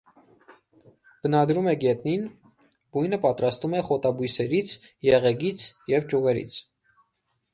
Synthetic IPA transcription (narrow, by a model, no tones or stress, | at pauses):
b̥ənɑd̪ɾumɛɡɛt̪̚nin | b̥ujnəpɑt̪ɾɑst̪umɛχɔt̪ɑbujsɛɾit͡sʰ | jɛʁɛɡit͡sʰjɛvt͡ʃuʁɛɾḭt͡sʰ